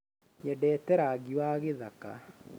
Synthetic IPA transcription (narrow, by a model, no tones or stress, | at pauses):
ɲɛdɛːtɛɾaɣiwaːɣeðaka̰